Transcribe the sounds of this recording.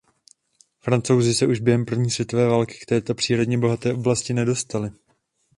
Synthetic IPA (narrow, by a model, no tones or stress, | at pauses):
fɾant͡so̞wzɪsɛʔuʒbjɛɦɛmpr̩vɲiːsvjɛt̪o̞vɛːvaːlkɪ̥kt̪ɛːt̪o̞pr̥iːɾo̞dɲɛbo̞ɦat̪ɛːʔo̞blascɪnɛdo̞st̪alɪ